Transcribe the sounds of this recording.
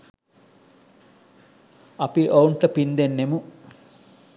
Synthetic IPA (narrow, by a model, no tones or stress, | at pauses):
ɐpiʔowɳʈɐpind̪enːemu